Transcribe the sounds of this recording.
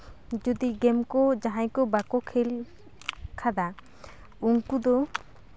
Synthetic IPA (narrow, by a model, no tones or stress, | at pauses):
d͡ʒɔd̪iɡɛmkɔd͡ʒaɦãjkɔbakɔkʰel | kʰad̪a | uŋkud̪ɔ